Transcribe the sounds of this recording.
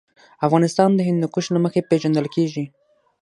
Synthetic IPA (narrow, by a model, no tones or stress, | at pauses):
afɣɑnɪst̪ɑnd̪əɦɪnd̪d̪əkuʃlaməxepeʒand̪əlkeʒi